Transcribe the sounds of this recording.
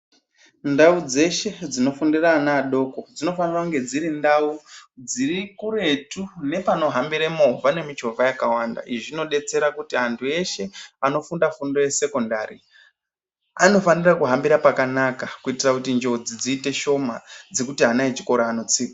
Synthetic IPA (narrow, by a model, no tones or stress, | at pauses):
ndaud͡ze̞ʃe̞d͡zino̞fundiraːnaːɗo̞ko̞d͡zino̞fanirakuŋɡe̞d͡ziɾindaud͡zirikure̞tune̞pano̞ɦambiɾemovane̞mit͡ʃo̞vʱajakawanda̰ʔiʐino̞ɗe̞t͡se̞ɾakutiɦantʰue̞ʃe̞ano̞fundafundo̞je̞se̞ko̞ndaɾi | ano̞fanirakuɦambiɾapakanakakuitirakutind͡ʒed͡zid͡ziːte̞ʃo̞mad͡ze̞kutiɦanaet͡ʃi̥ko̞ɾaːno̞t͡siːka